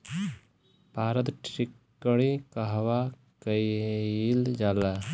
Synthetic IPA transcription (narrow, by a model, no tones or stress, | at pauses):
paːɾət̪ʈɾikː | əɽikaɦʋa | kəjild͡ʒaːla